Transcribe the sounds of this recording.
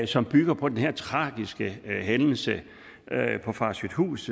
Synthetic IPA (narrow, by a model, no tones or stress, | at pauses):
sɒ̽mb̥yɡ̥ɐpʰɒ̽d̥enhɛɐ̰t͡sʰʁɑ̈ːɡ̥isɡ̥əɦenl̩sə | pʰɒ̽fɑ̈syd̥hṵːs